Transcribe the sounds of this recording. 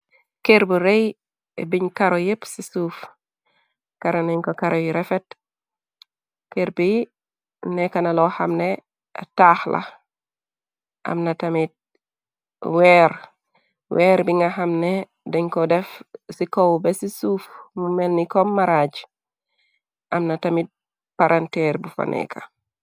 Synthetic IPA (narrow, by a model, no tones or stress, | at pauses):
keɾbuɾej | ḛbiɲkaɾojepsisuf | kaɾoneɲkokaɾojiɾefet | keɾbiji | nekanaloha̰mne | a̰taːxlʔa̰ | ʔa̰mnatamit̚ | weɾ | weːɾbiŋɡaɦamne | deŋkodefsikowbesisuːfmumelnikomːaɾad͡ʒ | ʔamnatamit̚ | paɾʔanteɾbufa̰nʔḛkʰa̰